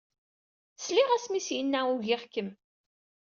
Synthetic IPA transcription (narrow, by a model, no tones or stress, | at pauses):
sliʁæsmisjənːæuʝɪχkːəm